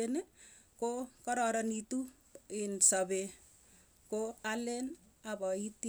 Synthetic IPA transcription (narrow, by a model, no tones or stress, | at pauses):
ene | kokʌɾɔɾʌnit̪u | insʌbe | koalen | abɔit̪i